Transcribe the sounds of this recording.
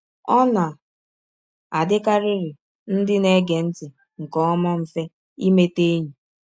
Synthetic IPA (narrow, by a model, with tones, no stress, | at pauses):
ɔ˦na˨ | a˨dɪ˦ka˦ɾɪ˦ɾɪ˨ | n̩˦dɪ˦ne˦ɡe˨n̩˦tɪ˨ | ŋ̩˨kɔ˦ma˦m̩˦fe˦ | i˦me˦te˦ɲi˨